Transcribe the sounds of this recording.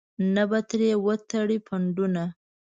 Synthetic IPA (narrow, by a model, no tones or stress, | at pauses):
nabat̪ɾewət̪aɽipʰaɳɖuna